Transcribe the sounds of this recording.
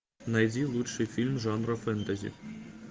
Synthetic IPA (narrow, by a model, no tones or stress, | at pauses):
nɐjd̪ʲilˠutʂɨjfʲilʲmʐɑnrofɛnt̪ɐzʲḭ